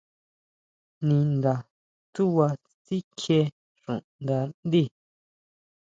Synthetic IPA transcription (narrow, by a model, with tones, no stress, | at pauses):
nĩ˧nd̪a˨ | t̪u˦wa˧ | t͡si˦kʰe˧ | ʂṵ̃˨ʔnd̪a˨˧nd̪i˦˨